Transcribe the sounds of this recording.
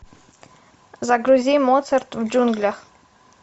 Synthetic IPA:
zaɡɾuzʲijmɔt̪sɛrt̪vd͡ʒunɡlʲax

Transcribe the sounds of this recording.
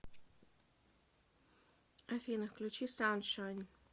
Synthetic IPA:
ɐfʲinɨxklʲut͡ɕisanʂɔnʲ

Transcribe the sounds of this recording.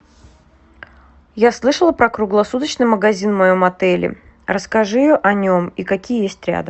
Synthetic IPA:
jaslˠɨʂəlˠəpɾəkɾʊɡlˠɐsut̪ət͡ɕnɨjməɡɐzʲinmɐjomɐt̪ɛlʲɪ̰ | rəskɐʐɨɪjoʔɐnʲomikɐkʲijəjesʲtʲɾʲa̰d̪ə

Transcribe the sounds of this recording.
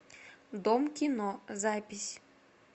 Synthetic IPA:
d̪ɔmkʲinɔzapʲisʲ

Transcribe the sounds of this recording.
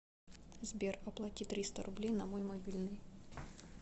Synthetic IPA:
zbʲerɐplˠɐtʲit̪ːɾʲist̪əɾʊblʲejnɐmojmɐbʲilʲnɨj

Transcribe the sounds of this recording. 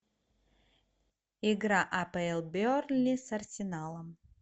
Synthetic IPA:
ɪɡɾaʔapɐɛlˠbʲornlʲisɐrsʲɪnalˠəm

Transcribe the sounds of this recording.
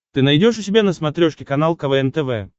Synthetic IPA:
t̪ɨnɐjdʲoʂʊsʲɪbʲanəsmɐt̪ɾʲoʂkʲɪkɐnalˠkɐvɛɛnt̪ɛvɛ̰

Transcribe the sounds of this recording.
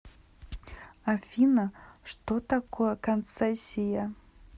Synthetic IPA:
afʲinɐʂt̪ot̪akojɛkɐnt̪sɛsʲijɐ

